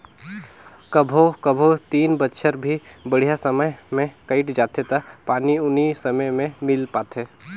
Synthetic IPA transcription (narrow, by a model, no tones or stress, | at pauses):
kəbʱokəbʱot̪iːnbətːʃʰəɾbʱibəɽ̤ijasəməjmẽkəɪʈd͡ʒaːt̪et̪apaːniʊnisəməjmẽmɪlpaːt̪ɦeː